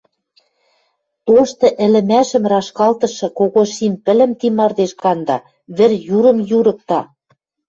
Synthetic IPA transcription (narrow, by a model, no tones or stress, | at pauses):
t̪oʃt̪ɤ̆ʔɘ̆lɘ̆mæʃɘ̆mrɑʃkɑlt̪ɤ̆ʃɤ̆koɣoʃimpɘ̆lɘ̆mt̪imɑrd̪eʃkɑnd̪ɑ | βɘ̆rjuɾɤ̆mjuɾɤ̆k̚t̪ɑ